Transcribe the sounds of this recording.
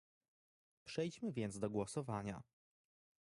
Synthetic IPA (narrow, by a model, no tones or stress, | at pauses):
pʂɛjt͡ɕmɘvʲjɛnt̪d̪ɔɡwɔsɔvaɲa̰